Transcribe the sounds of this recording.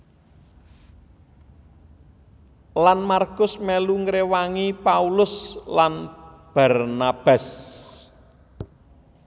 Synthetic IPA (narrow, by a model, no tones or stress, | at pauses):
lanmarɡʊsmeluŋɾewaŋipaulʊslanb̥a̤rnab̥as